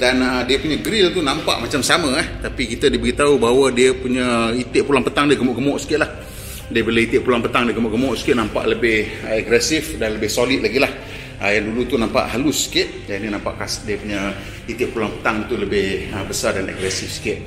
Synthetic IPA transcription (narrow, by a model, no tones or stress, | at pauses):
danədiəpuɲəɡɾɪlt̪unãmpa̰ʔmat͡ʃamsamãɛht̪apikit̪ədibəɣit̪aubaɦwədiəpuɲəit̪ɪʔpulaŋpət̪aŋdiəɡəmɔʔɡəmɔʔsi̥kɪt̪̚lah | diəbəlehit̪ɪʔpulaŋpət̪aŋdiəɡəmɔʔɡəmɔʔsi̥kɪt̪̚nampa̰ʔləbɪhəɛɡɾɛsɪfdanləbɪhsolit̪̚laɡilah | əjaŋdulut̪unampa̰ʔɦalʊsːi̥kɪt̪̚janinãmpa̰ʔkasdiəpuɲə | it̪ɪʔpulaŋpə̥t̪aŋdit̪uləbɪhəbəsardanɛ̰ɡɾɛsɪfsi̥kɪt̪̚